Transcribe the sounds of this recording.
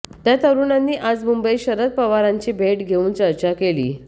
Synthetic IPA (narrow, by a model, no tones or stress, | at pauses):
t̪jat̪əɾuːnanːiːʔad͡zmumbəjiɕəɾət̪̚pəʋaɾaɲt͡ɕiːbʱeʈɡʱeuːnt͡səɾt͡ɕakelḭː